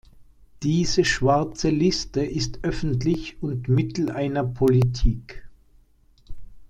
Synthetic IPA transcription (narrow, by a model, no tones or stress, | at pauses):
d̥iːzəʃv̥aɐt͡səlɪstəʔɪstʔœfn̩tlɪçʊntmɪtl̩ʔaɪnɐpʰolitʰiːk